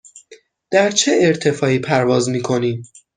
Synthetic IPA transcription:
d̪̥æɾt͡ʃʰeeɾt̪ʰe̞fɒːiːpʰæɾvɒːzmiːkʰo̞niːm

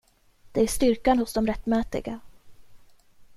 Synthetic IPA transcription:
d̪̥ɛæʂt̪ʏɾkanhʊsd̪ɔmɾɛt̪ːmɛːt̪ɪ̰ɡa

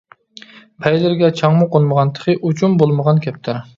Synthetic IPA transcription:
pʰɛjlɪɾɡʲɛt͡ʃʰɑŋmʊqonməʁɑnt̪ʰə̥χʰɨʔut͡ʃʰumbolˠməʁɑnkʲʰɛp̚t̪ʰɪɾ

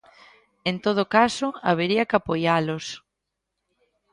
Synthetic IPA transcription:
ent̪oð̞ʊkasʊaβ̞eɾiɐkapojalʊs

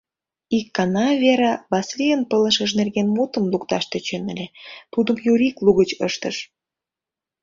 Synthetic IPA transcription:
ikːɑnɑβeɾɑβɑslijənpələ̆ʃəʃ̬nerɣenmot̪ə̆mlukt̪ɑʃt̪et͡ɕenəlʲet̪ud̪əmjuɾikluɣət͡ɕə̰ʃt̪əʃ

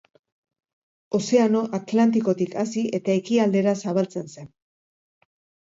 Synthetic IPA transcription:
o̞se̞ano̞ʔat̪lant̪iko̞t̪ikasiʔe̞t̪aekiald̪e̞ɾasaβalt͡se̞nse̞n

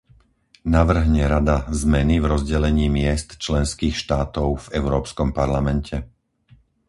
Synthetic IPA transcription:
naʋr̩ɦɲɛɾad̪azmɛnivɾɔzɟɛlɛɲiːmɪɛst̪t͡ʃlɛnskiːxʃt̪aːt̪ɔʊvɛʊɾɔːpskɔmpaɾlamɛncʰɛ

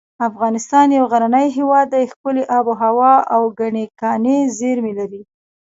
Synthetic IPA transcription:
afɣɑnɪst̪ɑnjawɣaɾanəjɦewɑd̪ːajxkʊleʔɑboɦawɑawɡaɳekɑnezeɾmelaɾi

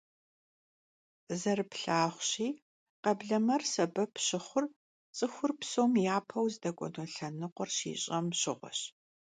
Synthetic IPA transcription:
zɐrɨpɬaːχʷɕiː | qɐbɮɐmɐrsɐbɐpʰɕɪχʷʊr | t͡sʼɨxʷʊrpsoːmjaːpʰɐwzdɐkʷʼɔ̰doɬɐnɨqʷɔrʃḭːɕʼɐmɕɪʁʷɔ̰ɕ

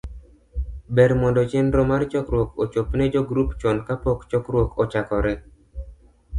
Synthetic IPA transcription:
bɛɾmɔndɔt͡ʃɪnɾɔmart͡ʃɔkɾwokot͡ʃopned͡ʒoɡɾupt͡ʃɔnkapokt͡ʃɔkɾwokɔt͡ʃakɔɾɛ

